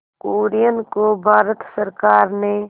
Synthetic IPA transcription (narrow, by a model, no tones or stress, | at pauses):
koːɾijənkobʱaːɾət̪səɾkaːɾne